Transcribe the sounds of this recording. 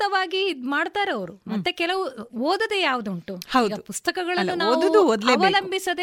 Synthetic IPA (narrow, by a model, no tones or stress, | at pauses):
t̪ɐʋaːɡimaːɖt̪aːɾɐʋɐɾumɐt̪ːe̞kɛlɐʋuoːd̪ɐd̪ejaːʋud̪uɳʈuhɐwdɡɐpust̪ɐkɐɡɐɭɐnːunaːoːʋ̪ɐd̪uoːd̪leɐʋɐlɐmbʱisɐd̪e